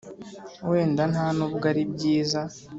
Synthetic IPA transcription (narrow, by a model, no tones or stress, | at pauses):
we̞ːndanaːnubɡaɾibɟiːza